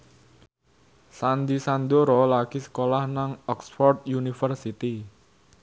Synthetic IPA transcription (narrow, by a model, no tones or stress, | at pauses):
sand̪isand̪oɾɔlakisə̥kolahnaŋɔksfɔrt̪̚junifərsit̪i